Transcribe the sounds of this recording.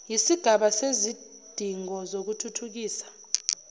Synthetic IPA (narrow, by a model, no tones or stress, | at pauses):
jisiɡ̥ʱaɓasezi | d̥ʱiŋɔzok̬utʰutʰuk̬iːsḁ